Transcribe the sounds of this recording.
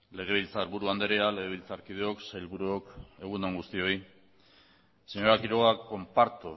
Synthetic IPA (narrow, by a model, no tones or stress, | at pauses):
le̞ɣ̞e̞βilt͡saeɾβuɾuand̪eɾealeɣ̞eβ̞ilt͡saɾkið̞eo̞ksajlβuɾuoke̞ɣ̞und̪oŋɡust̪io̞i | seɲo̞ɾakiɾoɣakːo̞mpaɾt̪u